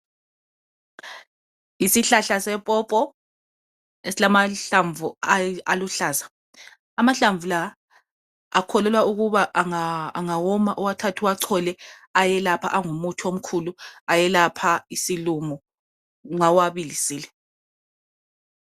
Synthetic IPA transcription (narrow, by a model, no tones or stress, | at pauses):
isiɬaɬasɛpʼɔːpʼɔ | esilamaɬaɱvuaaluɬaːzḁ | amaɬaɱvula | akʰɔlɛlwauɣuβaʔaŋaːŋawɔmaʔɔwatʰatʰuwaǀʰɔlɛ | ajɛlapʰaʔaŋumutʰom̩kʰuluajɛlapʰaisilumɔ | ŋawaβilisiːlɛ